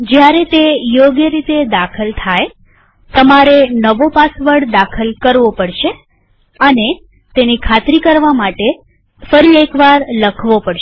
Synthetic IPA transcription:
d͡ʒjaɾet̪ejoɡjəɾit̪ed̪akʰəlt̪ʰaj | t̪əmaɾenəʋopasʋəɽd̪akʰəlkəɾʋopəɽʃe | əne | t̪enikʰat̪ɾikəɾʋamaʈe | fəɾiekʋaɾləkʰʋopəɽʃe

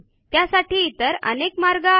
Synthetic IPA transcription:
t̪jasaʈiːt̪əɾə̰nekmaɾɡa

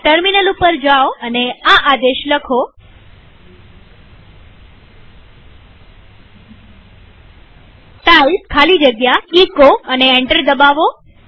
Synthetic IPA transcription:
ʈəɾminəlupəɾd͡ʒaoəneaʔad̪eʃləkʰo | ʈalkʰalid͡ʒəɡjaikoəneeɳʈəɾd̪əbaʋo

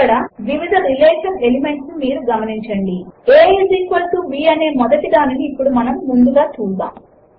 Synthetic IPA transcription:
ɐɽɐʋiʋid̪ʱɐɾilɛːʃɐne̞lime̞ɳʈsnumiːɾuɡɐmɐniɲt͡ʃɐɳɖieːed͡ʒiːkʋɐlsuʋiːɐne̞ːmɔd̪ɐʈid̪aːniniːpːuɽumɐnɐmːund̪uɡaːt͡ʃuːba̰ː

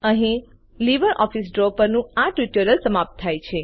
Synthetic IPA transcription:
əɦĩ | liʋəɾʔɔfisɖɾopəɾnũaʈɾiʈjoɾəlsəmap̚t̪ʰːajt͡ʃʰe

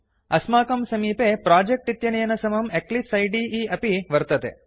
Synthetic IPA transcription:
ɐsmaːkɐmsɐmiːpepɾaːd͡ʒek̚ʈit̪jɐnejɐnɐsɐmɐmeklisɐjɖiːiːɐpiʋɐɾt̪ɐt̪ḛ

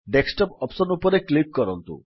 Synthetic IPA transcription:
ɖeksʈɔpɔpsɔnupɔɾeklip̚kɔɾɔnt̪ṵ

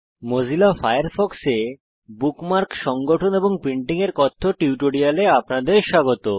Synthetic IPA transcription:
mod͡ʑʱilafajaɾfɔkse | bukmaɾkʃɔŋɡoʈʰoneboŋpɾiɳʈiŋeɾkɔt̪ʰːoʈiuʈoɽialeapnad̪eɾʃaɡot̪o

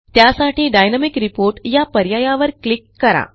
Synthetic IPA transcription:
t̪jasaʈiːɖajnəmikɾipoɾʈjapəɾjajaʋəɾklikːəɾa̰

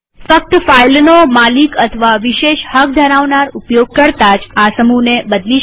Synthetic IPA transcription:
fək̚t̪failnomalikət̪ʰəʋaʋiʃeʃhək̚d̪ʱəɾaʋnaɾupjoɡ̚kəɾt̪ad͡ʒasəmunebəd̪li

